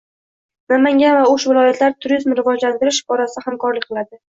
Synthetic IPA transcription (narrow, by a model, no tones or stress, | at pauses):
namaŋɡʲanvaʊʃvɪlˠɒjat̪ʰlaɾt̪ʰʊɾizmɾɪvɒd͡ʒlant̪ɪɾɪʃɒɾasɪhamkʰɒɾlɪkʲqʰɨlˠad̪ɪ